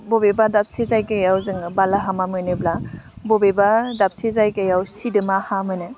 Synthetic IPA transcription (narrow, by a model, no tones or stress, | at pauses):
bɔbebadap̚sezajɡajawzɯŋbalaɦamamɯnɯblabɔbebadap̚sezajɡajawsidɯmahamɯnɯ